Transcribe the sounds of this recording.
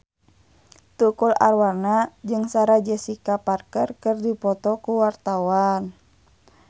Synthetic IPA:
t̪ukula̰rwarnad͡ʒɨŋsaɾad͡ʒɛsikaparkərkərdipɔt̪ɔkuwart̪awan

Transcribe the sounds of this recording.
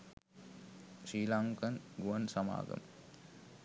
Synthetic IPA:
ʃiːlaŋkɐnɡuʋɐnsɐma̰ːɡɐ̰m

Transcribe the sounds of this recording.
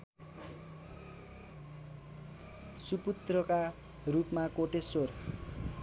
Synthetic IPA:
suput̪rʌka | rupmakoʈesor

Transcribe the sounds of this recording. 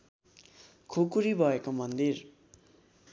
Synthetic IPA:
kʰokuɾibʱʌekomʌnd̪ir

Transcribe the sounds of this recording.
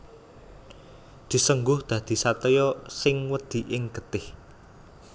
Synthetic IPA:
d̪̥i̤səŋɡʊhd̪̥ä̤d̪̥i̤sat̪əjɔsɪŋwəd̪̥i̤ʔɪŋɡ̥ət̪ɪh

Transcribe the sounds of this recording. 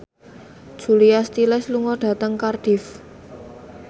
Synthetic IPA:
d̥ʒ̥ṳliast̪ilɛsluŋɔɖ̥ä̤t̪əŋkarɖ̥i̤f

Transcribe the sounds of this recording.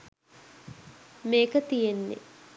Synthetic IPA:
meːkət̪ijenːḭ

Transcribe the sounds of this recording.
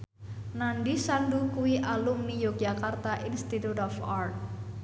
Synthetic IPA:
nanɖisandukuwiʔalumnijok̚d͡ʒakart̪aʔinst̪it̪ut̪ɔfart̪̚

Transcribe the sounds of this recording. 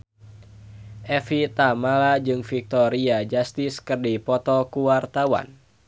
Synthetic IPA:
ʔɛfit̪amalad͡ʒɨŋfik̚t̪ɔɾiad͡ʒast̪iskɨrdipɔt̪ɔkuwart̪awa̰n

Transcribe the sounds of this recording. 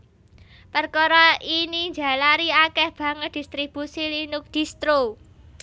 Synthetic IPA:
pərkɔɾɔiniɲd͡ʒa̤laɾiakɛhb̥ä̤ŋət̪̚d̪̥i̤st̪ɾib̥usilinʊk̚d̪̥i̤st̪ɾo

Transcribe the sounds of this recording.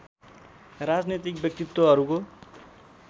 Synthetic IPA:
rad͡znet̪ik̚bjʌk̚t̪it̪wʌɦʌɾuko

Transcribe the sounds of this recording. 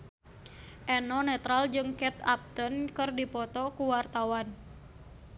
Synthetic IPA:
ʔɛnɔnɛt̪ɾald͡ʒɨŋkɛt̪ap̚t̪ənkɨrdipɔt̪ɔkuwart̪awan

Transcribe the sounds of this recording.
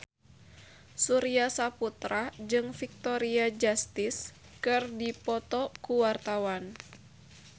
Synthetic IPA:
suɾiasaput̪ɾad͡ʒɨŋfik̚t̪ɔɾiad͡ʒast̪ɪs | kɨrdipɔt̪ɔkuwart̪awan

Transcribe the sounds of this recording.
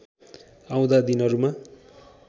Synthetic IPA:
aw̃d̪ad̪inʌɾuma

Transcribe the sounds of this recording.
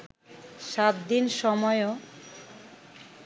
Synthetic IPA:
ʃat̪d̪inʃɔmɔeo

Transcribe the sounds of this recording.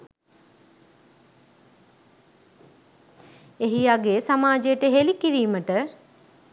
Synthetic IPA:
eɦiaɡesamaːd͡ʒejəʈəɦelikiɾiːməʈə

